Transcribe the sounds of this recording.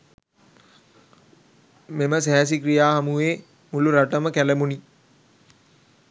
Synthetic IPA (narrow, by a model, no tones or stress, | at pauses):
meməsæɦɛs̬ikɾijaːɦamuʋeː | muluɾaʈəməkæləmuni